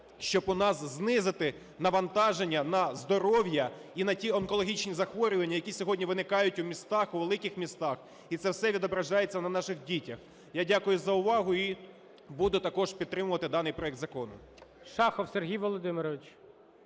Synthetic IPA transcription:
ʃt͡ʃɔbʊnɑsznɪzɪt̪ɪ | nɐʋɐnt̪ɑʒenʲːɐnɐzd̪ɔɾɔwjɐinɐtʲiɔnkɔlˠɔɦʲit͡ʃnʲizɐxʋɔɾʲʊʋɐnʲːɐjɐkʲisʲɔɦɔdʲnʲiʋɪnɪkɑjʊtʲʊmʲist̪ɑxuʋelˠɪkɪxmʲist̪ɑx | it̪sɛwsɛʋʲid̪ɔbɾɐʒɑjet͡sʲːɐnɐnɑʃɪxdʲitʲɐx | jadʲakʊjʊzɐʊʋɑɦʊi | bud̪ʊt̪ɐkɔʒpʲid̪t̪ːɾɪmʊʋɐt̪ɪd̪ɑnɪjpɾɔɛk̚d̪zɐkɔnʊ̰ | ʃɑxɔwserɦʲijʋɔlˠɔd̪ɪmɪɾɔʋɪt͡ʃ

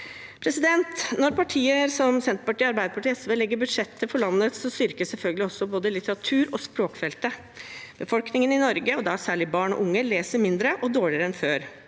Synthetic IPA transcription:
pʰɾɛsɪd̪ɛnt̪nɔɾpʰɑʈʰiːəɾsɔmsɛnt̪əɾpɑʈiːəɑɾbæɪd̪əpʰɑʈiːɛsʋeːlɛɡːəɾbʉd̪ʂɛt̪ʰːəfɔɭɑnːət̪sɔst̪ʏɾkəsɛlfœlɡəlɪɔsːɔboːd̪əlɪt̪əɾɑt̪ʰʉːɾɔspɾoːkfɛlt̪ə | b̥əfɔlknɪŋənɪnɔɾɡəɔd̪ɑsæːɭɪbɑːɳɔ̰ʔʊŋːəleːsəɾmɪnd̪ɾəʔɔd̪oːɭɪəɾəɛnføːɾ

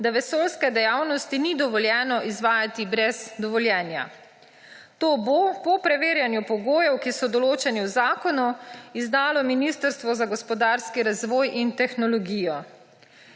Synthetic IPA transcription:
d̪aʋɛsoːlskɛd̪ɛjawnɔst̪inid̪ɔʋɔljɛːnɔʔizʋaːjat̪ibɾɛzd̪ɔʋɔljɛːnja̰ | t̪oːbopɔpɾɛʋeːɾjanjupɔɡoːjɛwkisɔd̪ɔloːt͡ʃɛniwzaːkɔnuizd̪aːlɔminist̪əɾst̪ʋɔzaɡɔspɔd̪aːɾskiɾazʋɔːjʔint̪ɛxnɔlɔɡijɔ

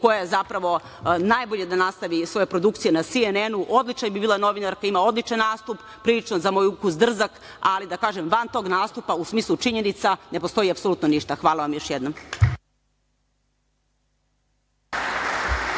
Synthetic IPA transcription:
ko̞jaezapɾaʋo̞ | najboʎe̞d̪anast̪aʋisʋo̞jepɾo̞d̪ukt̪sijenasienenuʔo̞d̪lit͡ʃnabibiːlano̞ʋinaɾkaimaod̪lit͡ʂanːaːst̪up | pɾilit͡ʂnozamo̞jukuzd̪r̩zak | alid̪akaːʒemʋant̪o̞ːɡnaːst̪upausmiːslˠut͡ʂiɲe̞nit̪sane̞po̞st̪o̞jiapsoluːt̪noniʃt̪axʋaːlˠaʋamjo̞ʃjed̪nom

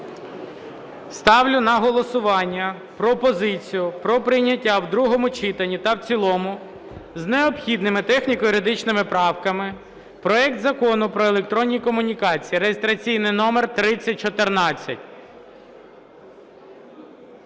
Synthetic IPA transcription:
st̪ɑwlʲʊnɐɦɔlˠɔsʊʋɑnʲːɐ | pɾɔpɔzɪt͡sʲijʊpɾɔpɾɪjnʲɐtʲːawd̪ɾuɦɔmʊt͡ʃit̪ɐnʲit̪ɐwt͡sʲilˠɔmʊ | zneɔpxʲid̪nɪmɪt̪ɛxnʲikɔjiɾɪd̪ɪt͡ʃnɪmɪpɾɑwkɐmɪ | pɾɔɛk̚t̪zɐkɔnʊpɾɔelˠek̚t̪ɾɔnʲːikɔmʊnʲikɑt͡sʲijiɾejest̪ɾɐt͡sʲijnɪjnɔmert̪ɾɪt͡sʲːɐt̚ʲt͡ʃɔt̪ernɑt͡sʲːɐ̰tʲ

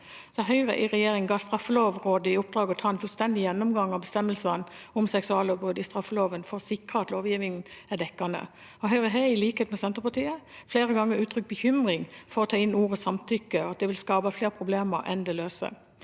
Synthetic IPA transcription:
sɔɦœʏʁə̰ʔɪʁɛjeːʁɪŋɡɑːst̪ʁɑfːəloːʋʁoːd̪əɪʊp̚d̪ɾʁɑːɡəɔt̪ʰɑːɛnfʉlst̪ɛnd̪ɪjɛnːʊmɡɑŋɑʋbəst̪ɛmːəlsɑnɔmsɛksʉɑːlɔbʁʉd̪ɪst̪ɾʁɑfːəloːʋənfɔʁsɪkʁəɑt̪loːʋjiːʋɪŋnæd̪ɛkːɑnə̰ | ɔɦœʏʁəɦeɪliːkəheːt̪mɛsɛnt̪əpɑt̪iːəfleːʁəɡɑŋːəɾʉːt̪ʰɾʏk̚bəçʏmʁɪŋfɔɾʁɔt̪ʰɑːɪnuːʁəsɑmt̪ʰʏkːəɑt̪̚d̪ɛʋɪlskɑːbɑfleːʁpʰʁʊbleːməɾʔɛ̰nd̪ɛløːsə̰

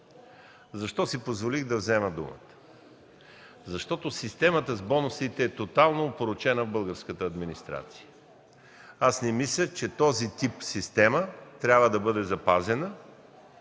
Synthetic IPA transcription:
zɐʃt̪ɔsipozvoliɣd̪ɐvzɛməd̪ṵmə̰t̪ə̥ | zɐʃt̪ɔt̪osist̪ɛmət̪əzbɔnʊsit̪ɛːt̪ot̪alˠnoːpoɾot͡ʃɛnəvbɤlˠɡəɾskət̪əːd̪minist̪ɾa̰t̪si̥jə | asnɛmislʲət͡ʃɛt̪ɔzit̪ipsist̪ɛmət̪ɾʲjabvəd̪ɐbɤd̪ɛzɐpazɛnə

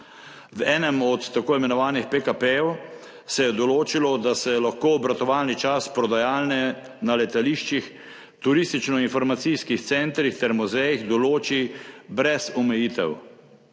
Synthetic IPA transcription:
wɛːnɛmɔt̪ːakoːimɛnɔʋaːnixpekapejɛw | sɛjɛd̪ɔloːt͡ʃilɔd̪asɛlaxkoːbɾat̪ɔʋaːlnit͡ʃaspɾɔd̪ajaːlnɛ | nalɛt̪aliːʃt͡ʃix | t̪uɾiːst̪it͡ʃnɔinfɔɾmat̪siskixt̪sɛnt̪ɾixt̪ɛɾmuzɛjixd̪ɔloːt͡ʃibɾɛsɔmɛjiːt̪ɛ̰w

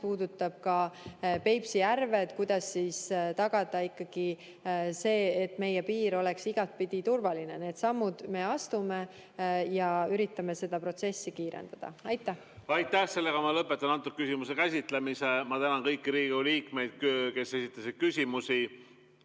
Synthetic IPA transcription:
puːd̪ut̪ːˑɑb̥̚kɑpe̞jpsijærve̞d̪̥kujd̪̥ɑsːiːst̪ɑɡ̥ɑd̪̥ɑikːɑɡ̥i | se̞ːt̪ːme̞jepiːɾo̞le̞ksiɡ̥ɑt̪̚pid̪̥it̪urvɑlinene̞ːd̪sɑmːud̪̥me̞ːɑst̪ume̞ | jɑyɾit̪ːˑɑme̞se̞d̪̥ɑpro̞t̪se̞sːikiːɾḛnd̪̥ɑd̪̥ɑ̰ɑjt̪ːˑæh | ɑjt̪ːæhse̞lːeɡ̥ɑmɑlɤpːˑet̪ːˑɑnɑnt̪ːˑuk̚kːysimusekæsʲit̪ˑlemisemɑt̪ænɑnkɤjkːiɾiːɡuliːkme̞jd̪̥̚køːke̞se̞sit̪ˑːɑsid̪̥̚kysʲimusi

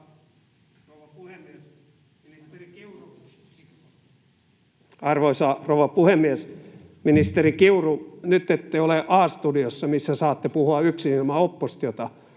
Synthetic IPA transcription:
rouʋɑpuhemːies | minist̪erikiuru | ɑrʋoisɑrouʋɑpuhemːies | minist̪erikiurunyt̪ːet̪ːeioleʔɑːst̪udiosːɑmisːæsɑːt̪ːepuhuɑyksinomæopːost̪jot̪ɑ

